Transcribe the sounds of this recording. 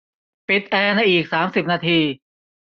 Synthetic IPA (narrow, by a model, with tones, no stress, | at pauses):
pi˨˩t̪̚ʔɛː˧na˧ʔiː˨˩k̚saː˩˦msi˨˩p̚naː˧t̪ʰiː˧